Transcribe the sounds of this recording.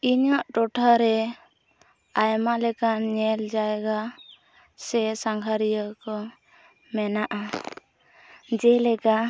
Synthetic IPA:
iɲaʔʈɔʈʰaɾɛ | ajmalɛkaɲɛld͡ʒajɡa | sɛsaŋɡʱaɾijəkɔ | mɛnaʔa | d͡ʒɛlɛka

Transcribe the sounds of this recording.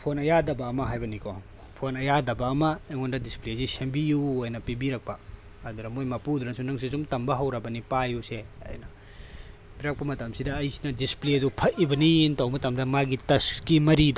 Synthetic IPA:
pʰonɐjadɐbɐːmɐɦajbɐnikʰo | pʰonɐjadɐbɐːmɐeŋondɐdisplezisembijuojnɐpibiɾɐk̚pɐː | d̪uɾɐmojmɐpud̪uɾɐŋsunɐŋsisumtɐmbɐɦɐwɾɐbɐnipajuseɐ̰jnɐ | biɾɐk̚pɐmɐtɐmsidɐːjsi̥nɐdispledupʰɐʔibɐnintɐwmɐtɐmdɐmaɡitɐskimɐɾid

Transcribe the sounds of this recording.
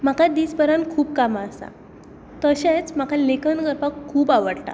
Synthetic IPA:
m̤akʰad̪iːsbəɾankʰuːp̚kamaːsa̰ | t̪əɕẽt͡sm̤akalekənɡəɾpakʰːuːpaʋəɽʈa̰

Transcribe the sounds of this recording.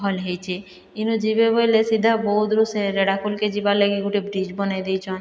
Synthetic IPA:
ɦɔlɦejt͡ɕʰe | inud͡ʑibebojlesid̪ʱːaboud̪ɾuseɾeɽakulked͡ʑibaleɡiɡuʈebɾid͡ʑbɔned̪ejt͡ʃʰɔn

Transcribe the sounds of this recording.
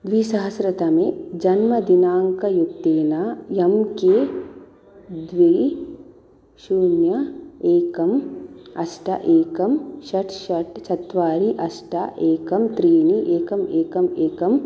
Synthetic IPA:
d̪ʋiːsɐɦɐsɾɐt̪ɐmed͡ʒɐnmɐd̪inaːŋkɐjukt̪eːnaːjɐmkeː | d̪ʋi | ʃuːnjɐeːkɐmɐsʈɐ̰ʔeːkɐmʃɐʈʃɐʈt͡ʃɐt̪ʋaːɾiʔɐsʈa̰ʔeːkɐmt̪ɾiːniʔeːkɐmeːkɐmeːkɐm

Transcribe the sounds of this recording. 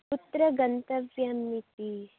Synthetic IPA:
put̪ɾɐɡɐnt̪ɐʋjɐmːit̪i

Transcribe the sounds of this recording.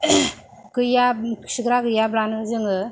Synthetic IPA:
kɯjasiɡɾakɯjablanɯzɯŋɯ

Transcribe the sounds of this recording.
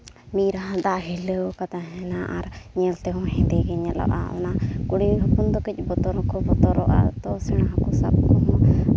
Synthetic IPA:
miɾaɦãd̪aʔɦɛləkat̪aɦɛ̃naʔaɾɲɛlt̪ɛɦɔ̃ɦɛ̃d̪ɛɡɛɲɛlɔ̰ʔa̰ɔ̰nakuɽibʱapund̪ɔkic̚ˀbɔt̪ɔɾɔkɔbɔt̪ɔɾɔʔa̰t̪ɔsɛɽ̃aɦãkɔsab̚kɔɦɔ̃

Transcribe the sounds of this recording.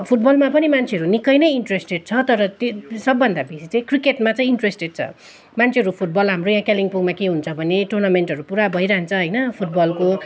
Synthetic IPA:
pʰuʈ̚bʌlmapʌnimant͡sʰeʌɾunikʌjnʌjinʈresʈeɖ̚t͡sʰʌt̪ʌɾʌt̪sʌbːʌnd̪abisit͡sʌĩkrikeʈmat͡sʌĩinʈresʈeɖ̚t͡sʰʌ̰ | mant͡sʰeɦʌɾupʰuʈ̚bʌlɦamrojãkaliŋpuɡmakeɦunt͡sʰʌbʱʌneʈornamenʈɦʌɾupuɾabʱʌjɾaɦnt͡sʰʌɦʌjnʌpʰuʈ̚bʌlko

